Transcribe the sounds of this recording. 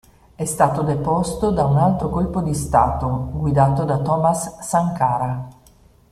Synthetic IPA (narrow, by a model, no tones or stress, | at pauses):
ɛst̪aːt̪od̪epɔst̪od̪aunalt̪ɾokolpod̪ist̪a̰ːt̪oɡwid̪aːt̪od̪at̪ɔːmasːaŋkaːɾa